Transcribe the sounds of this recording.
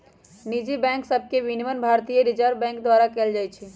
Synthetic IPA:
nid͡ʒibɛ̃ŋksəb̚ʱkeʋiniʋənbʱaɾt̪ijəɾid͡ʒəɾbɛ̃ŋkd̪waɾakeld͡ʒajt͡ʃʰɛ

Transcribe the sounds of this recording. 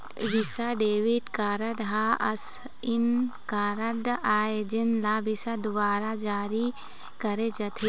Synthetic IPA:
ʋisaɖeːʋiʈkaːɾɐɖɦaʔɐs | ɪnkaːɾɐɖaːed͡ʒinlaːbisad̪ʊbaːɾad͡ʒaːɾi | kɐɾed͡ʒɐt̪ʰe

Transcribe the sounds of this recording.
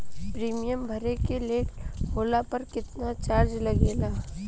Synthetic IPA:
pɾiːmijəmbʱɐɾekeleːʈɦoːlapɐɾkɪt̪nat͡ʃaːɾd͡ʒlɐɡeːlaː

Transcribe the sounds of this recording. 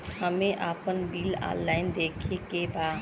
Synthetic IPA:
ɦəmẽʔaːpənbiːlã̰ːlːaːɪnd̪eːkʰekebaː

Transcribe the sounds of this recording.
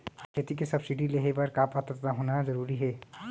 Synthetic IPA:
kʰet̪ikesəbsiɖileɦebəɾkapət̪ət̪t̪aɦonad͡ʒəɾuːɾiɦɛː

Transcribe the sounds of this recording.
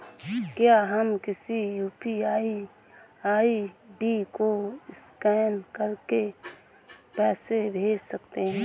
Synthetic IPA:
kjaɦəmkɪsijuːpiaːi | aːiɖikoɪskɛːnkəɾke | pɛːsebʱeːd͡ʒsəkt̪eɦɛ̃

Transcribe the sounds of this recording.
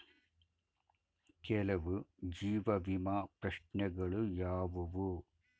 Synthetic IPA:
kɛlɐʋud͡ʒiːʋɐʋimaːpɾɐʂnɐɡɐɭujaːʋɐʋu

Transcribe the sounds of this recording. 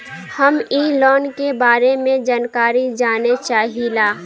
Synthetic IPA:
həmiːlɔːnkebaːɾemẽd͡ʒaːnkaːɾid͡ʒaːnet͡ʃaːɦilaː

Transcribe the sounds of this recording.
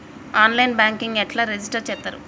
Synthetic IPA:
aːnlɐjnbaːŋkiŋɡɛʈlaːɾed͡ʒisʈɐɾt͡ʃɛːt̪ːaːɾṵ

